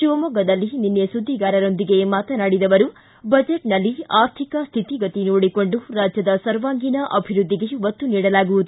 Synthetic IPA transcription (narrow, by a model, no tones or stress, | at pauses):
ʃiʋɐmɔːɡɐd̪ɐlːininːesud̪ʱːiɡaːɾɐɾo̞nd̪iɡe̞maːt̪ɐnaːɽid̪ɐʋɐɾu | bɐd͡ʒeʈnɐlːiaːɾt̪ʰikɐst̪ʰit̪iɡɐt̪inoːɽiko̞ɳɖuɾaːd͡ʒjɐd̪ɐsɐɾʋaːŋɡinɐʔɐbʱiɾud̪ʱːiɡe̞ʋɐt̪ːuniːɽɐlaːɡuʋud̪u